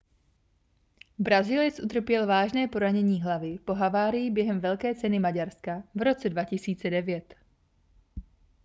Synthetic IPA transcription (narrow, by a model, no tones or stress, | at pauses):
bɾaziːlɪt͡sʔut̪r̩pjɛlvaːʒnɛːpo̞ɾaɲɛɲiːɦlavɪpo̞ɦavaːɾɪjɪbjɛɦɛmvɛlkɛːt͡sɛnɪmaɟaɾskavɾo̞t͡sɛdvacɪsiːt͡sɛdɛvjɛt̪